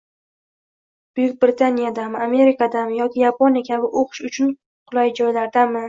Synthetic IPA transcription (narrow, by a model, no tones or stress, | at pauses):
b̥ʊjʊk̚ʲbɾɪt̪ʰanijad̪amame̞ɾɪkad̪amɪjɒkʲɪjapʰonjakʲʰabɪʔoqʰɨ̥ʃʊt͡ʃʰʊn | qʰʊlˠajd͡ʒɒjlaɾd̪amɪ